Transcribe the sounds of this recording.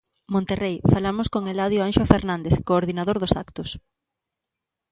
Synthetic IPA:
mõnt̪erejfalamʊskoŋelaðjoanʃofeɾnãnd̪eθkoːɾðinaðoɾðʊsa̰kt̪ʊs

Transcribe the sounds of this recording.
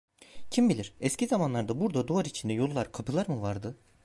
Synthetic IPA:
cʰimbilʲiɾ̥ɛscʰizamanlˠaɾd̪abuɾd̪ad̪uvaɾit͡ʃʰind̪ɛjo̞lˠːaɾkʰapʰɯlˠaɾmɯvaɾd̪ɯ

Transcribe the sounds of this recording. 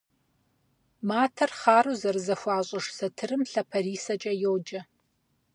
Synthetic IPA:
maːtʰɐrχaːruːzɐrɨzɐxʷɑːɕʼɪʂsɐtʰɨrɨmɬɐpʰɐriːsɐt͡ʃʼɐjoːd͡ʒɐ

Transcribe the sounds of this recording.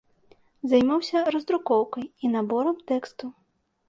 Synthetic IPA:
zajmawsʲɐɾɐzd̪ɾukɔwkɐjinabɔɾɐmt̪ɛkst̪u

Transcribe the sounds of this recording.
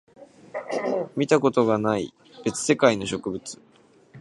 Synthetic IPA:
mʲit̪ako̞t̪o̞ɡanaḭ | b̥e̞t͡sɨ̥se̞kaino̞ɕo̞kɯ̟bɯ̟t͡sɨ̥

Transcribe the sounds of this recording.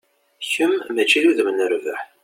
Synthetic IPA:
çəmːæt͡ʃːiluðmnəɾvəħ

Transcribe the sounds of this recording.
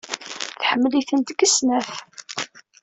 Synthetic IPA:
θħəmːəliθənt̪əɡəsnæf

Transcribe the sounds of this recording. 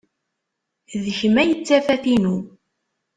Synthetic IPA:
ðçəmæjət͡sːæfæθinu

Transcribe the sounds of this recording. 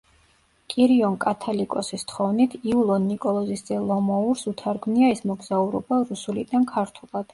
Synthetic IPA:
kʼiɾiɔŋkʼat̪ʰalikʼɔsist̪χɔvnit̪ʰiulˠɔnːikʼɔlˠɔzisd̪zɛlˠɔmɔuɾsut̪ʰaɾɡmniaɛsmɔɡzauɾɔ̰baɾusulid̪ankʰaɾt̪ʰulˠad̪̥

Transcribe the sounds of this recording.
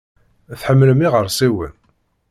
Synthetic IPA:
θħəmːləmiʁəɾˤsiwə̰n

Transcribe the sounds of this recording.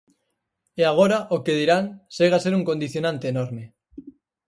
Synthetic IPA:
eaɣ̞o̞ɾaʔoke̞ðiɾanseɣase̞ɾuŋko̞nd̪iθjonãnt̪e̞ːnoɾme̞

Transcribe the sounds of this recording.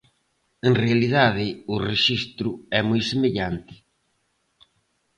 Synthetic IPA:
enrealiðaðɪʊreʃist̪ɾʊɛmojsemeʎant̪ɪ̥

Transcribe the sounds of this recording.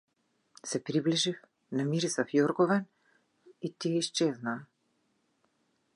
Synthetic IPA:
sɛpɾibliʒif | namiɾisafjɔɾɡɔvɛn | it̪ijɛiʃt͡ʃɛznaː

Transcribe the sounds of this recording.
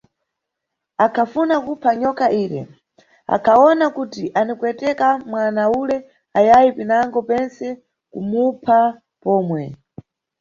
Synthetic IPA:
akʰafunakupʰaɲɔkaʔiːɾɛ̰ | a̰kʰaɔnakutiʔanikwɛtɛkamwanaulɛ | ajajipinaŋɡɔpɛnsɛ | kumupʰa | pɔːmwɛ

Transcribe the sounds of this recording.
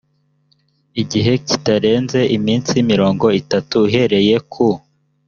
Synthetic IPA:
iɟiɦe̞ci̥taɾe̞ːnze̞ʔimiːnsimiɾo̞ːŋɡo̞itatuiɦe̞ɾe̞je̞kʰo

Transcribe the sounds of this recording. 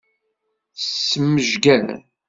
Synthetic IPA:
sːəmːəʒɡæ

